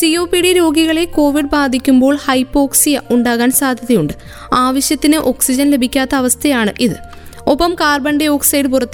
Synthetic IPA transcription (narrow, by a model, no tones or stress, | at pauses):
sijoːpːiɽiɾo̞ːɡiɣɐɭeko̞ːʋiɖbaːd̪ʱikʲːumbo̞ːɭhɐjpːo̞ːksijɐʔuɳɖaːɣaːnsaːd̪ʱjɐðɐjuɳɖɨ | aːʋɐɕjɐt̪ːinɨʔo̞ksid͡ʑɐnle̞bʱikʲːaːt̪ːɐːʋɐst̪ʰɐjaːɳɨʔiðɨ | opːɐmkaːrbɐɳɖeo̞ːksɐjɽɨpurɐt̪ːɨ